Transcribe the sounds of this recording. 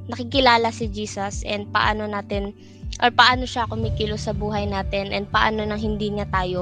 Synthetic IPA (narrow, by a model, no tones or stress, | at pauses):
nɐkɪkɪlaːlɐsɪd͡ʒiːsɐsʔɛnd̪̚pɐʔa̰ːno̞naːt̪ɛn | ʔoɾpɐʔaːno̞ʃakʊmiːkɪlosɐbuːɦɐjnaːt̪ɛnʔɛnd̪̚pɐʔa̰ːno̞nɐŋhɪnd̪iːɲat̪aːjo̞